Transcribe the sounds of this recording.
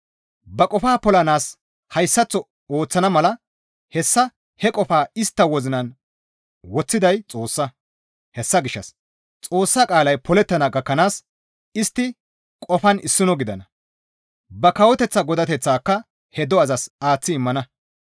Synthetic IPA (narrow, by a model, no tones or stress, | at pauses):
bɐkʼɔfaːpɔlɐnaːs | hɐjsːɐt͡sːɔ | oːt͡sːɐnɐmɐlɐ | hɛsːɐ | hɛkʼɔfaːɪst̪ːɐwɔzɪnɐn | wɔt͡sːɪd̪ɐjt͡sʼo̞ːsːɐ | hɛsːɐɡɪʃːɐ̰s | t͡sʼo̞ːsːaːkʼaːlɐjpʰɔlɛt̪ːɐnɐɡɐkːɐnaːs | ɪst̪ːɪ | kʼɔfɐnʔɪsːɪnɔɡɪd̪ɐnɐ | bɐkɐwɔt̪ɛt͡sːɐɡɔd̪ɐt̪ɛt͡sːaːkːɐ | hɛd̪ɔɐzɐsaːt͡sːɪɪmːɐnɐ